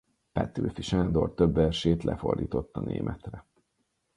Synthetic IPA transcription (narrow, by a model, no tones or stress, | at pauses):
pɛt̪ːyːfiʃaːnd̪o̞rt̪øbːɛrʃeːt̪lʔɛfo̞rd̪iːt̪o̞t̪ːɒnḛːmʔɛt̪rɛ